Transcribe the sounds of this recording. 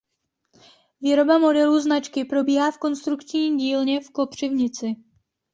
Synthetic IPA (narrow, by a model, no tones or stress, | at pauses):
viːɾo̞bamodɛluːznat͡ʃkɪpɾo̞biːɦaːfko̞nst̪ɾukt͡ʃɲiɟiːlɲɛfko̞pr̝̥ɪvɲɪt͡sɪ